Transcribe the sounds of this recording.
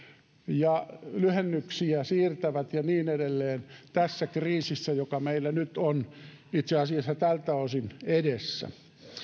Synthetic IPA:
jɑlyhenːyksiæsiːrt̪æʋæt̪jɑniːnedelːeːnt̪æsːækriːsisːæjokɑmeilːænyt̪on | it̪seɑsiɑsːɑt̪ælt̪ːæosinedesːæ̰

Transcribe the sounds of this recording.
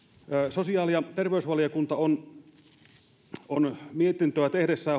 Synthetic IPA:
sosiɑːlijɑt̪erʋeysʋɑlijɑkunt̪ɑon | onmiet̪int̪øæt̪ehdesːæː

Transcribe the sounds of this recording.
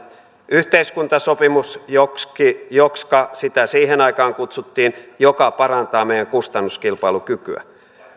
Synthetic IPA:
yht̪eiskunt̪ɑso̞pimusjokkijokskɑsit̪æsiːɦenɑikɑːŋkut̪sut̪ːiːnjokɑpɑɾɑnt̪ɑːmejæŋkust̪ɑnːuskilpɑilukykyæ̰

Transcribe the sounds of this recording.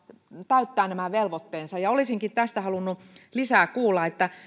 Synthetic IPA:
t̪æyt̪ːæːnnæmæʋelʋot̪ːeːnsɑjɑolisiŋkit̪t̪æst̪æhɑlunːulisæːkuːlːɑet̪ːæ

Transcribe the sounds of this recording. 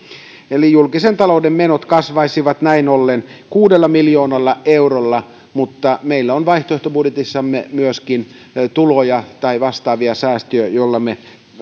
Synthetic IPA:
elijulkisent̪ɑloudemmenot̪kɑsʋɑisiʋɑt̪næinolːenkuːdelːɑmiljoːnɑlːɑeurolːɑ | mut̪ːɑmeilːæonʋɑiht̪oeht̪obudjet̪isːɑmːemyøskin | t̪ulojɑt̪ɑiʋɑst̪ɑːʋiɑsæːst̪øøjolːɑme

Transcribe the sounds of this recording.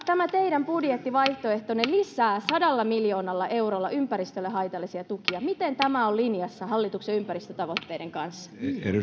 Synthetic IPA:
t̪æmæt̪eidæmpudjet̪ːiʋɑiht̪oe̞ht̪onellisæːsɑdɑlːɑmiljo̞ːnɑlːɑʔe̞urolːɑʔympæɾist̪ølːeɦɑjt̪ɑlːˑisiɑt̪ukiɑmit̪ent̪æmæollinjɑsːɑhɑlːit̪ukseympæɾist̪øt̪ɑʋot̪ːeːdeŋkɑnsːɑ̥ḛ

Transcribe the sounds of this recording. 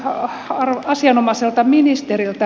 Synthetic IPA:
ɑrɑsiɑnomɑselt̪ɑminist̪erilt̪ɑ

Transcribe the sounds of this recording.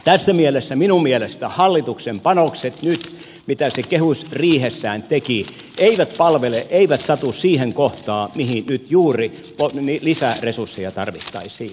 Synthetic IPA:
t̪æsːæmielesːæminummielest̪æhɑlːit̪uksempɑnokset̪nyt̪ | mit̪æsekehusriːhesːæːnt̪eki | eiʋæt̪pɑlʋeleʔʔeiʋæt̪sɑt̪ussiːheŋkoht̪ɑːmihinnyt̪juːri | ponilisæresursːejɑt̪ɑrʋit̪ːɑ̰isiː

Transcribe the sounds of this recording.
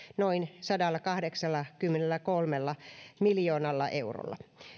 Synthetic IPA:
noinsɑdɑlːɑkɑhdeksɑlːɑkymːenelːækolmelːɑmiljoːnɑlːɑʔeuro̰lːˑɑ̰

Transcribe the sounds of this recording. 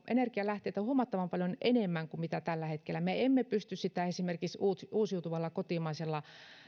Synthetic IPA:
ʔḛnerkiɑlæht̪eˑit̪æhuomɑt̪ːɑʋɑmpɑljonenemːæŋkumit̪æt̪ælːæhet̪kelːæmeemːepyst̪yssit̪æesimerkiksuːt̪uːsjuut̪uʋɑlːɑkot̪imɑiselːɑ

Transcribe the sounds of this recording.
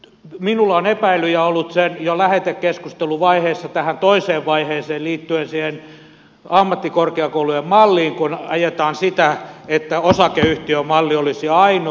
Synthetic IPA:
minulːonepæilːˑyjæolːut̪senjolæhet̪ekkeskust̪eluʋɑiheːsːɑt̪æhænt̪oiseːʋʋɑiheːseːlliːt̪ːyensiːhen | ɑmːɑt̪ːikorkeɑkoulujemmɑlːiːŋkunɑjet̪ɑːnsit̪æet̪ːæosɑkeyht̪iømɑlːiolisiɑino

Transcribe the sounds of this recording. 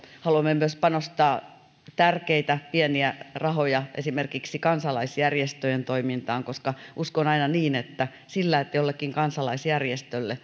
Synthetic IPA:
hɑluɑmːemyøspɑnost̪ɑː | t̪ærkeit̪æpieniærɑhojɑʔḛsimerkiksikɑnsɑlɑisjærjest̪øjent̪oimint̪ɑːŋkoskɑʔuskonɑinɑniːnet̪ːæ | silːæiet̪ːæjolːekːiŋkɑnsɑlɑisjærjest̪ølːe

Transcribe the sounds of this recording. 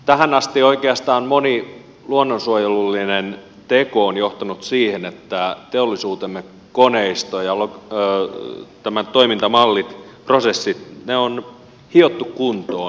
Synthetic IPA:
t̪æhænɑst̪ioikeɑst̪ɑːnmoni | luonːonsuojelulːinen | t̪ekoonjoht̪ɑnut̪siːhenet̪ːæt̪eolːisuːt̪emːek | koneist̪ojɑlo | t̪æmæt̪oimint̪ɑmɑlːit̪prosesːit̪neon | hiot̪ːukkunt̪oː

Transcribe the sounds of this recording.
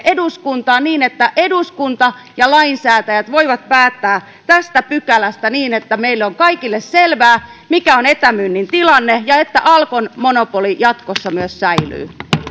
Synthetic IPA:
ʔeduskunt̪ɑːniːnet̪ːæʔeduskunt̪ɑ | jɑlɑinsæːt̪æjæt̪ʋoiʋɑt̪̚pæːt̪ːæː | t̪æst̪æpykælæst̪æniːnet̪ːæmeilːeoŋkɑikilːesselʋæːmikæonet̪æmynːint̪ilɑnːejɑet̪ːæʔɑlkonmonopolijɑt̪kosːɑmyøssæily̰ː

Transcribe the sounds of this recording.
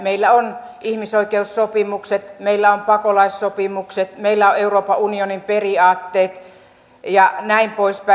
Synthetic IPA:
meilːæon | ihmisoikeussopimukset̪meilːæompɑkolɑissopimukset̪meilːæoeuroːpɑunionimperiɑːt̪ːeːt̪ | jɑnæimpoispæ

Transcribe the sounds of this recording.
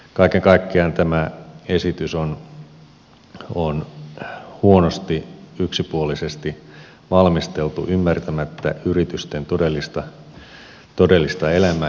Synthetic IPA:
kɑikeŋkɑikːeɑnt̪æmæesit̪yson | on | huonost̪iyksipuolisest̪i | ʋɑlmist̪elt̪ṵʔymːært̪æmæt̪ːæ̰yrit̪yst̪ent̪odelːist̪ɑ | t̪odelːist̪ɑelæmæː

